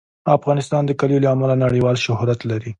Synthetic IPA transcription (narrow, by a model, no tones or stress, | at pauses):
afɣɑnɪst̪ɑnd̪əkaljolaːmalanaɽəwɑlʃʊhɾat̪laɾi